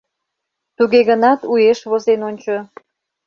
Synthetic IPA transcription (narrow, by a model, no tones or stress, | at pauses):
t̪uɣeɣənɑt̪ujeʃβozenonʲt͡ɕo